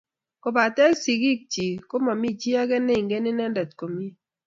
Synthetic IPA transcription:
ko˨ba˨tɛ˦lsi˨ɡi˦k̚t͡ʃi˨ko˦ma˨mi˦d͡ʒi˦a˦ɡɛ˦ne˦˨ŋɡe˦nɪ˦nɛ˦ndɛ˨tko˨mi˦

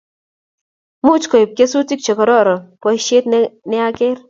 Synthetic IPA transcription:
mu˦t͡ʃkɔ˨i˨p̚ke˦su˦ti˦k̚t͡ʃɔ˨kɔ˨ɾɔ˦˨ɾɔ˨pɔ˨jʃe˦t̪nɪ˦a˦ke˦ɾ

